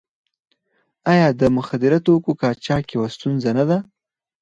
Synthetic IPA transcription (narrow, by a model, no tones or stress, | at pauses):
ɑjɑd̪əmʊxad̪ɪɾat̪okokɑt͡ʃɑkjewast̪unzanad̪a